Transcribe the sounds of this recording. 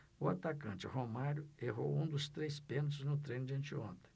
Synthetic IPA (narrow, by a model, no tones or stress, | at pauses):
ʊat̪akɐ̃nt͡ʃɪhomaɾʊeɦowũd̪ʊst̪ɾejspẽnt̪̬ʊznʊt̪ɾẽjnʊd͡ʒiɐ̃nt͡ʃɪõ̰nt̪ẽ